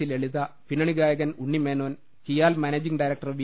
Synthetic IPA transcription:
ileɭiðɐpinɐɳiɡaːjɐɣɐnuɳːimeːnoːn | kijaːlmɐneːd͡ʑiŋɖɐjɾɐk̚ʈɐrʋi

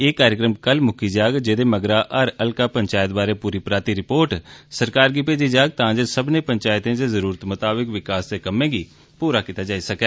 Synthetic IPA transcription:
eːkaːɾjəkɾəmkəlmʊkʰiːd͡ʒaːɡd͡ʒeːd̪eːməɡɾaːʔəɾəlkaːpəɲt͡ʃaːjət̪̚baːɾeːpuːɾiːpɾaːt̪iːɾɪpoːɾʈsəɾkaːɾɡiːpeːd͡ʒiːd͡ʒaːɡ̚t̪ãːd͡ʒəsəbnẽːpəɲt͡ʃaːjɪt̪ẽːt̪eːzəɾuːɾət̪mət̪aːbəkʋɪkaːsd̪eːkəmːẽːɡiː | puːɾaːkit̪aːd͡ʒaːiːsəkɛː

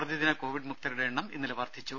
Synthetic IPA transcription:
rɐðiðinɐko̞ːʋiɖmuk̚t̪ɐɾuɽeeɳːɐmḭnːilɐʋaːrd̪ʰʱit͡ɕːu

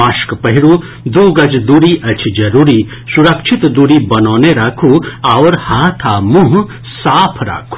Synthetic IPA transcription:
aːʃkpɐɦiɾu | d̪uːɡɐd͡ʒd̪uːɾiʔɐt͡ʃʰid͡ʒɐɾuːɾi | suɾɐkʃʰit̪d̪uːɾibɐnoːneɾaːkʰuaʋɾhaːt̪ʰaːmũɦ | saːpʰɾa̰ːkʰu̥

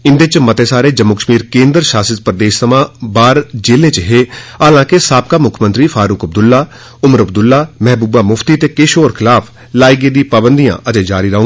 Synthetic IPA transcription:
ɪnd̪et͡ʃmət̪eːsaːɾeːd͡ʒəmːʊkəʃmiːɾkẽːnd̪əɾʃaːsət̪pɾəd̪eːʃsəmãːbaːɾd͡ʒeːlẽːt͡ʃəɦeːaːlãːkɪsaːp̚kaːmʊkʰːmə̃nt̪ɾiːfʰaːɾʊkəb̚d̪ʊlːaː | ʊməɾəb̚d̪ʊlːaːmɛɦbuːbaːmʊfʰt̪iːt̪eːkeːʃoːɾkʰɪlaːpʰ | laːiɡeːd̪ĩːpaːbənd̪ijã̰ːʔəd͡ʒ̪eːd͡ʒaːɾiːɾəɦoːɡ

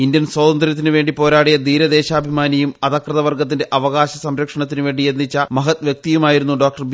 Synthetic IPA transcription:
indjɐnswɐːd̪ɐnd̪ɾjɐt̪̬ːinɨʋe̞ːɳɖipo̞ːɾaːɽijɐd̪iːɾɐd̪e̞ːɕaːbʱimaːnijumɐðɐkrɐðɐʋɐrɡɐt̪ːinde̞ʔɐʋɐɣaːɕɐsɐmɾɐkʂɐɳɐt̪ːinɨʋe̞ːɳɖienːit͡ɕːɐmɐɦɐt̪ʋjɐk̚t̪ijumaːjiɾunːuɖoːk̚ʈɐrb

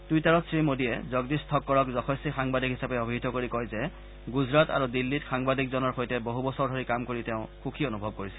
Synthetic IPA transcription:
d̥ujtaɹɔtsɹimodijɛ̰zɔɡdistʰɔkːɔɹɔkzɔxʰɔsixaŋbadʱikɦisapɛobʱiɦtɔkoɹikɔjzɛ | ɡuzɹata̰ɹudilːitxaŋbadikzɔnɔɹxojtɛboɦubɔsɔɹdʱoɹikamkoɹiteʊ̃xukʰionubʱɔb̚koɹisɛl

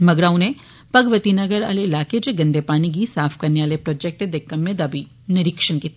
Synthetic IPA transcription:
mɐɡɾaːʊne | pɐɡʋət̪inɐɡəɾa̰ːleɪlaːked͡ʒeɡɐ̃nd̪epaːniɡisaːfʰkɐɾneaːlepɾɔːd͡ʒɛk̚ʈed̪ekɐmːẽd̪abʱi | nɪɾɪkʃənkit̪

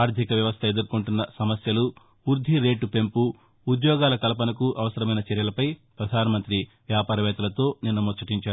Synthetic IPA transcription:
aːɾt̪ikɐʋjɐʋɐst̪ʰɐe̞d̪uɾkuɳʈunːɐsɐmɐsjɐlu | uɾd̪ʱiɾe̞ːʈupe̞mpuː | d̪jɔːɡaːlɐkɐlɐp̬ɐnɐkuʔɐʋɐsɐɾɐmɐjnɐt͡ʃɛɾjɐlɐpɐjpɾɐd̪ʱaːnɐmɐnt̪ɾiʋjaːpaːɾɐʋɛːt̪ɐlɐt̪o̞ːninːɐmɔt͡ʃːɐʈiɲt͡ʃaː

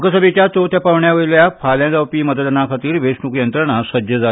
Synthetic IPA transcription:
kəsəbit͡ɕjat̪ot̪japaʋɳjaʋəiljapʰaljãd͡zawpiːməd̪əd̪nakʰat̪iːɾʋesnukjənt̪ɾəɳasəd̪jəd͡za

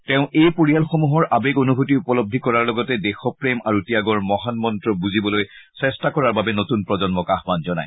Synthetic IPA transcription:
teʊ̃ʔejpoɹijalxomuɦɔɹʔabeɡonubʱutiupɔlob̚d̪ʱikɔɹaɹlɔɡɔtɛdexɔpɹemaɹutiaɡɔɹmɔɦanmɔntɹɔbuzibɔlojsɛstakɔɹaɹbabɛnotunpɹɔzɔnmɔkaɦbanzɔna̰j

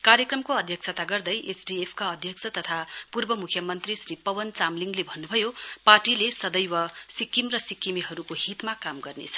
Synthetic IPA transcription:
kaɾjʌkrʌmkoʌd̪ʱjʌk̚sʰʌt̪aɡʌrd̪ʌjʔesɖiepʰkaʌd̪ʱjʌksʰʌt̪ʌt̪ʰapurbʌmukʰjʌmʌnt̪risripʌwʌnt͡samliŋɡlebʱʌnːubʱʌjoparʈilesʌd̪ʌjwʌsikːimrʌsikːimiɦʌɾukoɦit̪makamɡʌrnḛt͡sʰʌ̥

